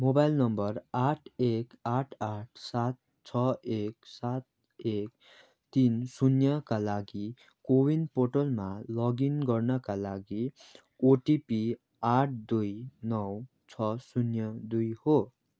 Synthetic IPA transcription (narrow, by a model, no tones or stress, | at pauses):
mobajlnʌmbʌraʈʰekaʈʰaʈ̚ʰsat̪̚ | t͡sʰʌeksat̪̚ | ek | t̪insunjʌkalaɡi | kowinpoʈʌlmalʌɡinɡʌrnʌkalaɡi | oʈipi | aʈ̚ʰd̪ujnʌw | t͡sʰʌsunjʌd̪ujho